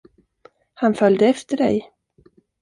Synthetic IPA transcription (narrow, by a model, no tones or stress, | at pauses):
hanfœld̪əɛft̪əɖɛ̰j